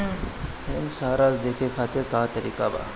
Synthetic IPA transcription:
ɦemsaːɾazd̪eːkʰekʰaːt̪ekaːt̪ɐɾiːkaba̰ː

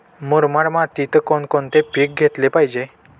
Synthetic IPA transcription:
moɾmaɽmat̪it̪əkɔnkɔnt̪epik̚ɡʱet̪lepaɦid͡ʑe

